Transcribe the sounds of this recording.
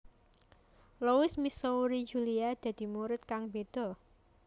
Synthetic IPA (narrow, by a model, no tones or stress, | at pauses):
lowɪsmisoɾi̥d͡ʒṳliad̪̥ä̤d̪̥i̤muɾɪt̪̚kaŋbed̪̥ɔ̤